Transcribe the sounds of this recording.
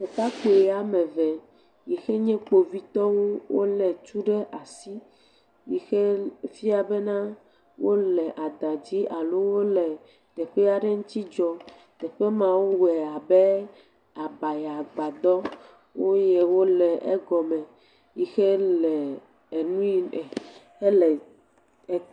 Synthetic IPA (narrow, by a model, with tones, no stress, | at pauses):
o˨ka˦k͡po˨˦a˨mɛ̃˨vɛ˨ | ji˨xe˦ɲɛ̃˦k͡po˨vi˦t̪ɔ˦ŋũ˦wo̰˦lɛ˨t͡ʃu˦ɖɛ˦ʔa˨si˦ | ji˨xe˦fi˦a˨bɛ˦nã˦ | wʔo˦lɛ˨ʔa˨d̪ã˨d͡ʑi˦ʔa˨lo˦wo˦lɛ˨ | t̪ɛ˨ɸɛ˦a˨ɖɛ˦ŋũ˦t̪i˦d͡ʒɔ˦ | t̪ɛ˨ɸɛ˦mã˨wu˦wɛ˨a˨bɛ˦ | a˨ba˨ja˨ɡ͡ba˨d̪ɔ˦ | wo˦jɛ˨wo˦lɛ˨ʔɛ̰˦ɡɔ˨mɛ̃˨ | ji˦xe˦lɛ˨ | e˨nũ˦i˨ɛ˨ | e˦lɛ˨